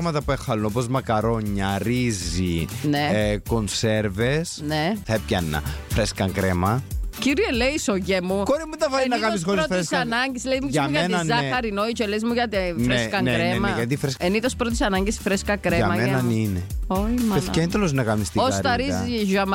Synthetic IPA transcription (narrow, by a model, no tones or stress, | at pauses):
ɣmɐt̪ɐpuexɐlunopozmɐkɐɾo̞ɲːɐɾizinekonse̞ɾve̞sneθɐepçɐnːɐ̰fɾeskɐŋkɾemɐciɾieleisoʝemukoɾimut̪ɐvɐinɐkɐlis̬oɾofssɐnɐɲɟislezmuɐuʝɐnzɐxɐɾinoit͡ʃelezmuʝɐt̪ifnɾeskɐŋɾemɐʝɐt̪ifɾeseniðospɾot̪̬i̥sɐnɐɲɟisfɾeskɐkɾeɐmɐmenɐnineomeend̪loznɐkɐnist̪iosɾt̪ɐɾizɐiʒɐm